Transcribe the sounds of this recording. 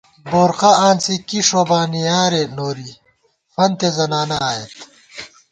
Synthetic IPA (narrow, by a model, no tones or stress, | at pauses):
boːɾqaʔaːnsikiʂobaːnijaːɾenoːɾi | fɐnt̪ezɐnaːnɐaːjet̪